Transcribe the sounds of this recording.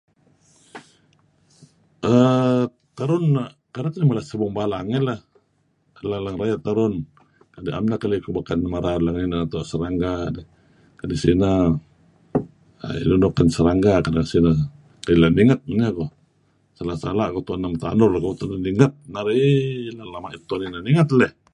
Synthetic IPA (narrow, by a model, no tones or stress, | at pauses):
ə | t̪aɾunakadaknimalasəbɔŋbalaŋɛla | alalaŋɾajat̪aɾɔn | kadiʔa̰mnakalikubakanmaɾalaŋninaat̪uasəɾaŋɡadi | kadisina | a̰ḭlunɔkansəɾaŋɡakadaŋsina | kalilaniŋat̪̚manakɔ | salasalakɔt̪uanːamt̪a̰nɔlkaut̪ananiŋat̪̚naɾilalamait̪uaninaniŋat̪̚lɛh